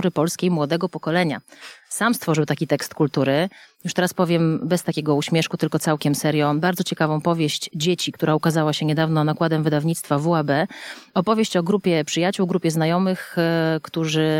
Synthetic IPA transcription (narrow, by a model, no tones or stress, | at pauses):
ɾɘpɔlskʲejmwɔd̪ɛɡɔpɔkɔlɛɲa̰samst̪fɔʐɘwt̪akʲit̪ɛkst̪kult̪uɾɘjuʂt̪ɛɾaspɔvʲjɛmbɛst̪akʲɛɡɔuɕmʲjɛʂkut̪ɘlkɔt̪sawkʲɛmsɛɾjɔ̃baɾd̪zɔt͡ɕɛkavɔ̃w̃pɔvʲjeɕt͡ɕd͡ʑet͡ɕikt̪uɾaukazawaɕɛɲɛd̪avnɔnakwad̪ɛmvɘd̪avɲit̪st̪favuabɛɔpɔvʲjeɕt͡ɕɔɡɾupʲjɛpʂɘjat͡ɕuwɡɾupʲɛznajɔmɘxkt̪uʐɘ